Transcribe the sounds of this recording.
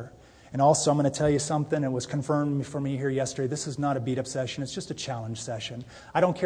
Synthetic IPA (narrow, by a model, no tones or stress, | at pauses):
ɨ̃ñɔlˠsoʊãɪmɡʌnɨtʰɛlˠjɨsʌ̃mθɪ̃ŋɨt̚wʌz̥kʰɨ̃ɱfɜ̃˞mfə˞miɦiɹjɛstə˞deɪðɪsɨznəɾɨbiɾʌpsɛʃɨ̃nɨtsd̥ʒ̥ʌstɨt͡ʃʰælˠə̃nʒ̥sɛʃɨ̃n | aɪɾõʊ̃nkʰɛ